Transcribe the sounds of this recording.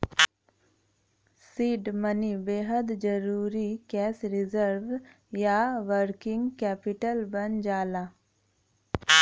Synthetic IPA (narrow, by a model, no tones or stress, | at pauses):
siːɖmənibeːɦəd̪d͡ʒəɾuːɾikɛːsɾɪzəɾʋ | jaʋəɾkɪŋɡkɛːpɪʈəlbənd͡ʒaːla